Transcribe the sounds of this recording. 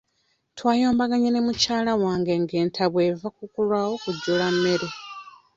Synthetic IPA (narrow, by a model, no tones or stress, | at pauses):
twaːjo̞ːmbaɡaɲenemucaːlawaːŋɡe̞ŋɡe̞ːntʰaβwe̞vakukulwawo̞kuɟːulamːe̞ɾe